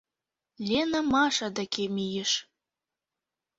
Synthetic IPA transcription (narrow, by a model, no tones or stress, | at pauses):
lʲenamɑʃɑd̪akemʲijĕʃ